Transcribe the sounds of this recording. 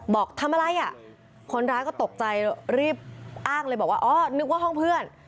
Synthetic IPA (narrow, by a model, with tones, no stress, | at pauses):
bɔː˨˩k̚t̪ʰa˧mʔa˧ɾa˧jʔa˨˩ | kʰo˧nɾaː˦˥jkɔː˥˩t̪o˨˩k̚t͡ɕa˧jɾiː˥˩p̚ʔaː˥˩ŋlɤː˧jbɔː˨˩kwaː˥˩ʔɔː˦˥˩nɯ˦˥k̚waː˥˩ɦɔ˥˩ŋpʰɯ˥˩ən